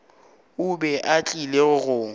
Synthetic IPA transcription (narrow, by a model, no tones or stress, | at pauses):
ʊbɛʔat͡ɬʼileɣʊɣʊː